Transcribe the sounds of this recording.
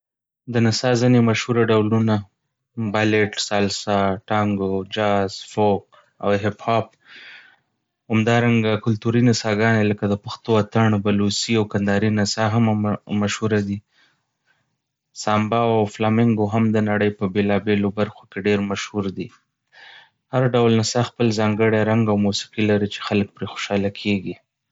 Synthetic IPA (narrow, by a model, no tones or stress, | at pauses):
d̪ənasɑzinemaʃhuɾaɖawluna | baleʈsɑlsɑʈɑŋɡod͡ʒɑz̥fok̚ | a̰wɦɪphɑp̚ | hamd̪ɑɾaŋɡakʊlt̪uɾinasɑɡɑneləkad̪əpaxt̪oat̪aɳbalusiawkand̪ɑɾinasaɦammaʃhuɾad̪i | sɑmbɑwawflɑmɪŋɡoɦamd̪ənaɽəjpəbelɑbelobaɾxokeɖeɾmaʃhuɾd̪i | haɾɖawlnasaxpəlzɑŋɡəɽjaɾaŋɡawmusi̥qilaɾit͡ʃe̥xalək̚pɾexo̥ʃɑlakʰeɡi